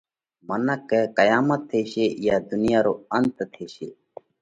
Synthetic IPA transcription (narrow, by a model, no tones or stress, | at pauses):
mənəkːekəjaːmət̪ʰːeːʃeːjaːd̪ʊnjaːɾoːənt̪t̪ʰeːʃeː